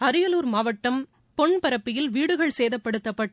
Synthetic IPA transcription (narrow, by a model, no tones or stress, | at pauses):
ɐɾɯjɐluːɾmaːʋɐʈːɐm | pɔɳpɐɾɐpːɪjɪlʋiːɽɯɣɐɭseːðɐpːɐɽɯt̪ːɐpːɐʈː